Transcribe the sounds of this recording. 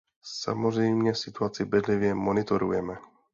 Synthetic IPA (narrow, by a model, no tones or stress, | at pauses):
sa̰mozʐɛjmɲɛfsɪt̪uat͡sɪbɛd̪lɪvjɛmonɪt̪oɾṵjɛmɛ